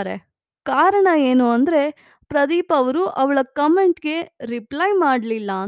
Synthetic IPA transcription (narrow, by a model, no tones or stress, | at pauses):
ɾḛ | kaːɾɐɳɐeːnuɐnd̪ɾe̞ | pɾɐd̪iːpɐʋɐɾuʔɐʋɐɭɐkɐmeɳʈɡe̞ɾipɭɐjmaːɖlilːɐ